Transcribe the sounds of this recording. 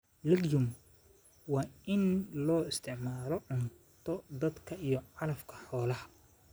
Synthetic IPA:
lɐɡjʊm | wɑːɪnlɔːɪst̪ʰɪʕmaːlɔʕʊn | t̪ʰɔd̪ɐd̪kʰɐʔijɔʕɑlɐfkʰɐ̥ħɔːlɐhɐ

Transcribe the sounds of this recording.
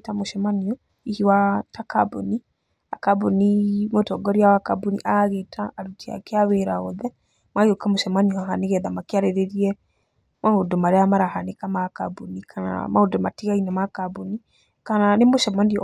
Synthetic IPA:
tamoʃɛmaniɔ | ihiwatakaboni | a̰kabonimotɔɡɔɾiawakabunḭʔaɣetʰaːɾutia̰keaweɾaɔðɛ | maiokamoʃɛmaniɔaɦaneɣɛðamakeaɾeɾeɾiɛ | maodomaɾeamaɾaɦanekamakabunikʰana̰maodɔmatiɣainamakabuni | kananemoʃɛmaniɔ

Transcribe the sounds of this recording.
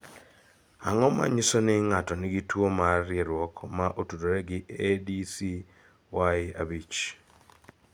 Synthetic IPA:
a̰ŋɔma̰ɲisonɪŋatɔnɪɡitwomarjɛɾwɔkmaʔotudoɾɛɡɪedisi | waɪa̰bit͡ʃ

